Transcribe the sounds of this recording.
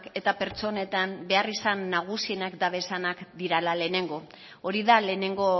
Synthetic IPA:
ke̞t̪ape̞ɾt͡so̞ne̞t̪anbe̞arisanːaɣ̞usie̞nakd̪aβe̞sanakd̪iɾalale̞ːne̞ŋɡo̞ | oɾiðale̞ːne̞ŋɡo̞

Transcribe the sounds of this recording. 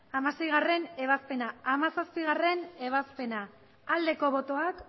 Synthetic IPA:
amase̞jɣ̞are̞ne̞β̞aspe̞naːmasaspiɣ̞are̞ne̞β̞aspe̞na | ald̪e̞ko̞βo̞t̪o̞ak

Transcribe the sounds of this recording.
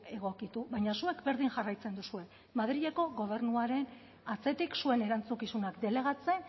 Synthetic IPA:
e̞ɣ̞o̞kit̪uβaɲasue̞kbe̞ɾðiŋʝarajt͡se̞nd̪usue̞ | maðɾiʎe̞ko̞ɣo̞βe̞rnuaɾe̞n | at͡se̞t̪iksue̞ne̞ɾant͡sukisunakd̪e̞le̞ɣ̞at͡se̞n

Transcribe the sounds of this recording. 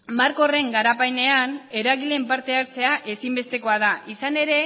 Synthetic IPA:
maɾko̞re̞ŋɡaɾapajne̞ane̞ɾaɣile̞mpaɾt̪e̞aɾt͡se̞aʔe̞simbe̞st̪e̞ko̞að̞aʔisane̞ɾe̞

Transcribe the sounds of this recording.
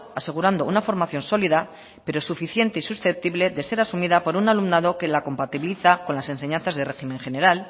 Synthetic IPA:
ase̞ɣ̞uɾand̪ounafo̞ɾmaθjo̞nso̞liða | pe̞ɾo̞sufiθje̞nt̪e̞isusθe̞p̚t̪iβleðe̞se̞ɾasumiðapo̞ɾunalumnaðo̞ke̞lako̞mpat̪iβliθako̞nlase̞nse̞ɲãnθazðe̞re̞ximẽ̞ŋxe̞ne̞ɾal

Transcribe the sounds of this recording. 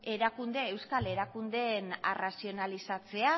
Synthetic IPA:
e̞ɾakund̪eewskale̞ɾakund̪e̞na̰rasio̞nalisat͡se̞a

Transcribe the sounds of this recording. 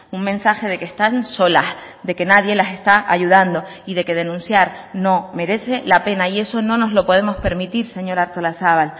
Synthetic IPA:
uŋmẽ̞nsaxe̞ð̞e̞kest̪anso̞las | d̪e̞ke̞naðje̞lase̞st̪aʔaʝuðand̪o̞ | iðe̞ke̞ð̞e̞nũnsjaɾno̞me̞ɾe̞se̞lape̞naie̞so̞nõ̞no̞zlo̞po̞ð̞e̞mo̞spe̞ɾmit̪iɾse̞ɲo̞ɾaɾt̪olasaβal

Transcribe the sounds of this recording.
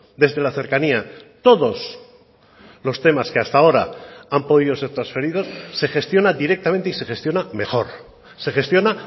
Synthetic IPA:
d̪e̞zðe̞laθe̞ɾkaniat̪o̞ðo̞s | lo̞st̪e̞maskeast̪ao̞ɾaampo̞ð̞iðo̞se̞ɾt̪ɾansfe̞ɾiðo̞sːe̞xe̞st̪jo̞nad̪iɾe̞k̚t̪amnt̪eise̞xe̞st̪jo̞name̞xo̞ɾ | se̞xe̞st̪jo̞na

